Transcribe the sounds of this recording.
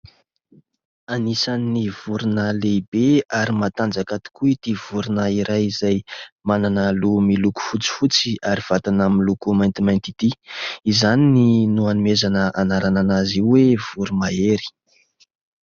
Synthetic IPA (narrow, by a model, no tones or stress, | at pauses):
anisannːiv̥uɾunəlebeaɾimat̪and͡zakat̪i̥kuit̪iv̥uɾunəiɾajizajmananəlumiluku̥fut͡si̥fut͡siaɾiv̥at̪anaminlukumajnt̪imajnt̪it̪iizanininuanimezanəʔanaɾananaziwev̥uɾumaeɾi̥